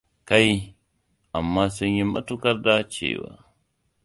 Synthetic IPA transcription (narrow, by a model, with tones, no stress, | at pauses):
ka˦j | ʔa˨mːaː˦sʊ˦ɲji˦mːɐ̰˦tu˦kɐ˦rda˦t͡ʃḛː˦˨wa̰ː˦